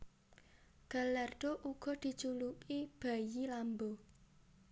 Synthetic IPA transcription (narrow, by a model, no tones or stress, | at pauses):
ɡ̥a̤lard̪̥oʔuɡ̥ɔ̤d̪̥i̤t͡ʃulukib̥a̤jilambo